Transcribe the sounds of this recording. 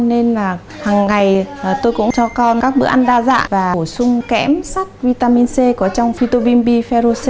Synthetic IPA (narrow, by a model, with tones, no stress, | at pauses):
ne˧nlaː˨˩ | haː˨˩ŋːa˨˩jt̪o˧jkʊ̰˧˥ŋ͡mt͡ɕɔ˧kɔ˧nkaː˦˥k̚ɓɨ̰˧˥ʔa˧nɗaː˧za̰ː˧˨nvaː˨˩˧sʊ˧ŋ͡mkɛ̰˧˥msa˦˥kt̚vi˧t̪aː˧mi˧nse˧kɔ˨˩˦t͡ɕɔ˧wŋ͡mfi˧t̪o˧ɓi˧mɓi˧fɛ˧zo˧se˧